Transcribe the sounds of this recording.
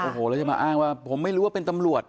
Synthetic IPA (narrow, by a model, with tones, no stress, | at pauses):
ʔoː˨˩hoː˨˩lːt͡ɕa˧˩ma̰ː˧ʔaː˥˩ŋwaː˥˩pʰo˩˦mːa˥˩jɾuː˦˥waː˥˩pe˧nt̪a˧mɾu˨˩ət̪̚